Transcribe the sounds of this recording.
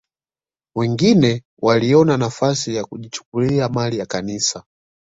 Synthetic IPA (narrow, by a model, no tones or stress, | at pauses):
wɛŋɡinɛ | walijɔnanafasijakuʄit͡ʃu̥k̚uliamalijakaniːsa